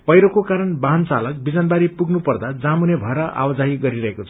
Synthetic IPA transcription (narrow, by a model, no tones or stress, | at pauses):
pʌjɾokokaɾʌnbaɦnt͡sa̰lʌk̚bid͡zanbaɾipuɡnupʌrd̪ad͡zamunebʱʌɾʌʔa̰wʌd͡zaɦiɡʌɾiɾʌɦekot͡sʰʌ̥